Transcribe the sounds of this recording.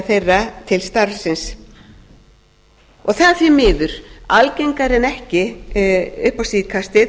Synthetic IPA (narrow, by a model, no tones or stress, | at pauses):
θejrːat̪ʰɪlst̪aɾsɪns | ɔɣθaðθjɛmɪːðʏɾ̥alcejŋkaɾɪnɛhcɪ | ʏhpawsiːðkʰast̪ɪ